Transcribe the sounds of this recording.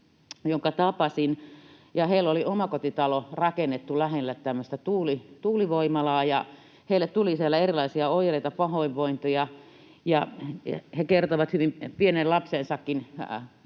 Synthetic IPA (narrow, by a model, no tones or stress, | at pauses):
joŋkɑt̪ɑpɑsinjɑheiloliomɑkot̪it̪ɑlorɑkenːet̪ːulæhelːæt̪t̪æmːøst̪æt̪uːlit̪uːliʋoimɑlɑːjɑ | heilːet̪t̪ulisielːæerilɑisiɑoijreit̪ɑpɑhoiʋʋoint̪ojɑ | jɑ̰ | hekert̪oʋɑt̪hyʋimpienellɑpsensɑkːin